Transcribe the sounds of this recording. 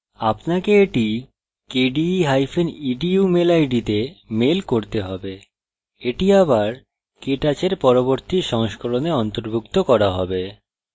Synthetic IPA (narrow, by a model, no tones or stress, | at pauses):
apnakeeʈi | keɖiɦajfeniɖiumelajɖit̪emelkoɾt̪eɦɔbe | eʈiaβaɾ | keʈat͡ɕeɾpɔɾoboɾt̪iʃɔŋʃkoɾoneɔnt̪oɾbʱukt̪okɔɾaɦɔbe